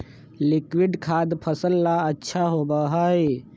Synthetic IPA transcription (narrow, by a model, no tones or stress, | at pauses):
lɪkwɪɖkʰaːd̪pʰəsəlːaɐtːʃʰaɦoːbaːɦaːe